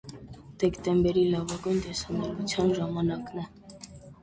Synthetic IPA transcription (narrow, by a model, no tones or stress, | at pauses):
d̪̥ɛkt̪ɛmbɛɾilɑvɑɡujnt̪ɛsɑmɛɾvut͡sʰjɑnʒɑmɑnɑknɛ